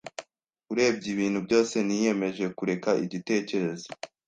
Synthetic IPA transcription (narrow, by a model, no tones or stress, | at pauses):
kuɾe̞ːb̚ɟiβiːnhubɟo̞ːse̞nije̞me̞ʒe̞kuɾe̞kaiɟite̞ːce̞ɾe̞zo